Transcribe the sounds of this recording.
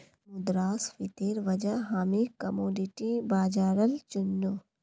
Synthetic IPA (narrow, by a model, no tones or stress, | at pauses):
mʊd̪ɾaːsfit̪eːɾʋɐd͡ʒəɦaːmikɐmoːɖiʈibaːd͡ʒaːɾəlt͡ʃʊnːu